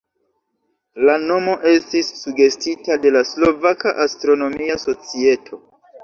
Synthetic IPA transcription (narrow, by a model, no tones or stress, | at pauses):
lano̞mo̞ʔe̞stisːuɡe̞stitade̞laslo̞vakaʔastɾo̞no̞miaso̞t͡sie̞tʰo̞